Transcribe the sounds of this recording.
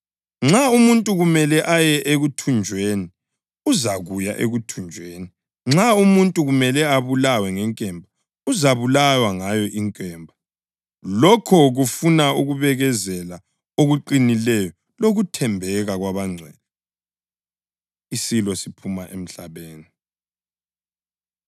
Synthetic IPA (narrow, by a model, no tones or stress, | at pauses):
ŋ͡ǁaumuntʼuɣumɛlɛʔajɛʔeɣutʰund͡ʒʱweːni | uzaɣuja̰ʔḛɣutʰund͡ʒʱweːni | ŋ͡ǁaumuntʼuɣumɛlɛaβulawɛŋɛŋkʼɛmbʱa | uzaβulawaŋajɔʔiŋkʼɛːmbʱa | lɔkʰɔɣufunauɣuβɛɣɛzɛla | oɣuǃinilɛjɔ | loɣutʰɛmbʱɛɣaɣwaβaŋ͡ǀʱɛːnɛ | isilɔsipʰumaʔem̩ɬaβeːni